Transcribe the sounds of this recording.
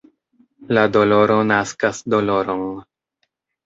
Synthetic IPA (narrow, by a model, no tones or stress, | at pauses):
lado̞lo̞ɾo̞naskasdo̞lo̞ɾon